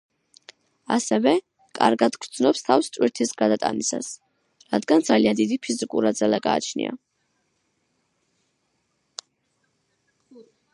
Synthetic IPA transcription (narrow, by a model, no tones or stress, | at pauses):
asɛvɛ | kʼa̰ɾɡad̪ɡɾd̪znɔpst̪ʰafst̪sʼwiɾt̪ʰisɡad̪at̪ʼa̰nisa̰s | ɾad̪ɡand̪zaliand̪id̪ipʰizikʼuɾad̪zalaɡa̰ːt͡ʃʰnḭa̰